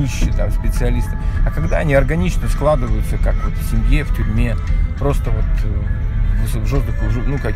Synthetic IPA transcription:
ɨɕːɪt̪a̰mspʲɪt̪sɨɐlʲist̪ɨ̥ɐkɐɡd̪aɐnʲiɐrɡɐnʲit͡ɕnəsklˠad̪ɨvəjʊt̪səkakvo̞t̪fsʲɪmʲjeftʲʊɾʲmʲe̞pɾo̞st̪əvo̞t̪ | vsvʐozd̪əkʊʐɨnuka

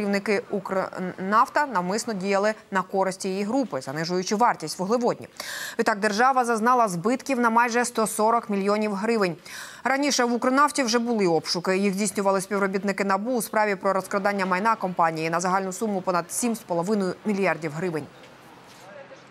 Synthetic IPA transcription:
kɾʲiwnɪkɪukɾnɑft̪ɐnɐwmɪsnɔdʲijɐlˠɪnɐkɔɾɪsʲtʲijijiɦɾupɪzɐnɪʒʊjʊt͡ʃɪʋɑrtʲisʲtʲʋʊɦlˠɪʋɔdʲnʲḭʋʲit̪ɑɡ̚d̪erʒɑʋɐzɐznɑlˠɐzbɪt̪kʲiwnɐmɑjʒɛst̪ɔsɔɾɔkmʲilʲjɔnʲiwɦɾɪʋɪnʲɾɐnʲiʃɛʋukɾɔnɑwtʲiwʒɛbʊlˠɪɔpʃʊkɪjiɣzʲdʲijsʲnʲʊʋɐlˠɪsʲpʲiʋɾɔbʲit̪nɪkɪnɐbuːspɾɑʋʲipɾɔɾɔskɾɔd̪ɑnʲːɐmɐjnɑkɔmpɑnʲijinɐzɐɦɑlʲnʊsumʊpɔnɐd̪̥sʲimspɔlˠɔʋɪnʊjʊmʲilʲjɑrdʲiwɦɾɪʋɪnʲ

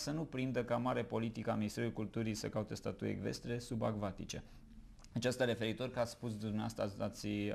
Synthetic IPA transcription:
sənupɾind̪əkamaɾepo̞lit̪ikaminist̪e̞ɾulkult̪uɾijsəkaut̪est̪at̪ujḛɡve̞̰st̪ɾe̞suba̰ɡvat̪it͡ʃe̞ | at͡ʃast̪aɾe̞fe̞ɾit̪o̞rʲkat̪spus̬d̪umneaast̪aat̪sʲ

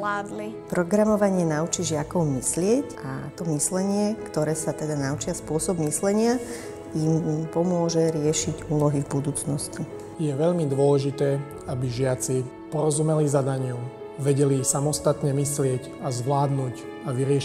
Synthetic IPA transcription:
aːd̪lipɾɔɡɾamɔʋaɲɪɛnaut͡ʃiʒɪakɔʊmislɪɛca̰t̪ɔmislɛɲɪɛkt̪ɔɾɛːsat̪ɛd̪anaut͡ʃɪaspʊɔsɔbmislɛɲɪa | impɔmʊɔʒɛɾɪɛʃiɟuːlɔɦivbud̪uːt͡snɔsci | jɛʋɛʎmid̪ʊɔlɛʒit̪ɛː | abiʒɪat͡si | pɔɾɔzumɛlizad̪aɲɪuʊ | ʋɛɟɛlisamɔst̪at̪ɲɛmislɪɛɟ | azʋlaːd̪nuːc | aʋiɾɪɛʃ

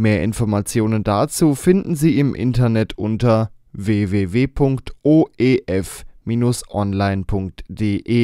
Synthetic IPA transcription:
meːɐʔɪ̰nfɔɐmat͡sjoːnəndat͡suːfɪndn̩ziːɪmʔɪ̰ntɐnɛtʰʔʊntɐ | veːveːveːpʰʊŋktʔoːʔeːʔɛfmiːnʊsʔɔnlaɪnpʰʊŋk̚td̥eːʔeː

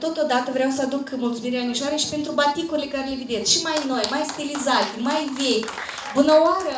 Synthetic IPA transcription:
t̪o̞t̪o̞d̪at̪əvɾeaws̬əad̪ukmult̪sumiɾeaniʃoaɾeʃi̥pe̞nt̪ɾubat̪ikuɾilekaɾelevid̪et̪sʃimajno̞jmajst̪ilizat̪ʲmajvejʲ | bunəwaɾə

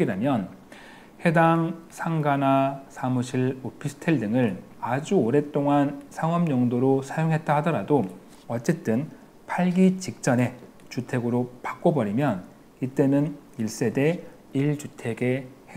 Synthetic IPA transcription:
iɾamjʌn | he̞daŋsʰaŋɡanasʰamuɕʰiɭopʰisʰɯ̥tʰeɭdɯŋɯɭ | ad͡ʑuoɾe̞t͈oŋansʰaŋʌmɲʌŋdoɾosʰajoŋɦe̞t̚t͈ahadʌɾado | ʌt͡ɕ͈e̞t͈ɯn | pʰaɭɡit͡ɕik̚t͡ɕ͈ʌne̞ | t͡ɕutʰe̞ɡɯɾopak͈obʌɾimjʌn | it͈e̞nɯniɭs͈e̞de̞ | iɭt͡ɕutʰe̞ɡe̞he

